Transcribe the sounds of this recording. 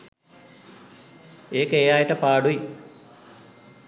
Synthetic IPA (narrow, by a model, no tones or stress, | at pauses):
eːkeːjaːjiʈɐpaːɽuj